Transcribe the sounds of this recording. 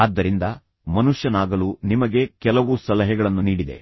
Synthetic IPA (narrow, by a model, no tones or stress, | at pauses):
aːd̪ːɐɾind̪ɐ | mɐnuʂjɐnaːɡɐluːnimɐɡe̞kɛlɐʋusɐlɐɦɛɡɐɭɐnːuniːɽid̪ḛ